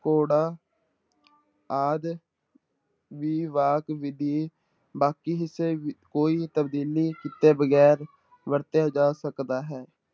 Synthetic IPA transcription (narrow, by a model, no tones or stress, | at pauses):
koːɽaː | aːd̪ | ʋiːʋaːkʋɪd̪iː | baːkiːɦɪseːkoːiːt̪əbd̪iːliːkɪt̪eːbəɡɛːɾ | ʋəɾt̪ejaːd͡ʒaːsəkd̪aːɦɛː